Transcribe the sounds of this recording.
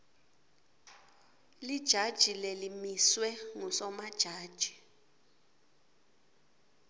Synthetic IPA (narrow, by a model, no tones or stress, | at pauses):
lid̥ʒ̥ʱad̥ʒ̥ʱilelimiswɛŋusɔmad̥ʒ̥ʱaːd̥ʒ̥ʱi̥